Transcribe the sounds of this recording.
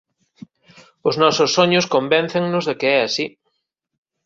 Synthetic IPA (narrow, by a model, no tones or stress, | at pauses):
ʊznɔsʊsːoɲʊskombɛn̟θeŋnʊzðɪkɪɛasi